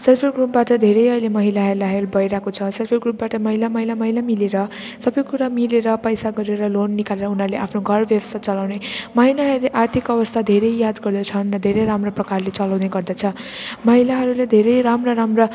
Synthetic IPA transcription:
selpʰelɡrupbaʈʌd̪ʱeɾʌjʌjlemʌɦilaɦelaɦelbʱʌjɾakot͡sʰʌselpʰerɡrup̚baʈʌmʌɦilamʌɦilamʌɦilamileɾʌ | sʌbʌjkuɾamileɾʌpʌjsaɡʌɾeɾʌlonːikaleɾʌunarleapʰnoɡʱʌrbʌbsat͡sʌlawnemʌɦilaɦʌɾuleʔart̪ʰikʌbʌst̪ʰad̪ʱeɾʌjjad̪ɡʌrd̪ʌt͡sʰʌnrʌd̪ʱeɾʌjɾamroprʌkarlet͡sʌlawneɡʌrd̪ʌt͡sʰʌmʌɦilaɦʌɾuled̪ʱeɾʌjɾamrʌɾamrʌ

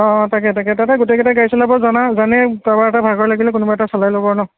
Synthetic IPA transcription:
ɔ̃takɛtakɛtataɡʊtekɛtaɡajsɔlabɔzanazanɛtabaɛtabʱaɡɔɹlaɡilɛkʊnʊbaɹɛtasɔlajlobɔɹnɔ

